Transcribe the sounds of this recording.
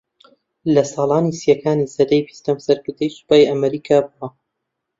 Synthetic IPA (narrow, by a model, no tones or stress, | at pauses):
lɐsɑːlˠɑːnisjɐkaːniːsɐd̪ɐjpi̥st̪ɐmsɐɾkɨɾd̪ejsɨ̥paːjʔɐmɐɾiːkʰaːbuɐ